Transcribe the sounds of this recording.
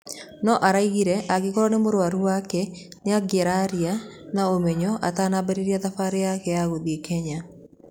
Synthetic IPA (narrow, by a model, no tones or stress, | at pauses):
nɔʔaɾaiɣiɾɛʔaɣekoɾɔnemoɾwaɾuwakɛ | neaɡeɾaɾianaomɛɲɔʔataːnabɛɾeɾiaðafaɾejakɛaɣoðiekʰɛɲa